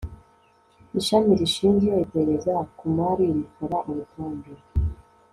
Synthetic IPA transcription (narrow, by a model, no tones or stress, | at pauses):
iʃamiɾiʃiːnzijoiteeɾezakumaɾimukoɾaʔumutaːnduɾ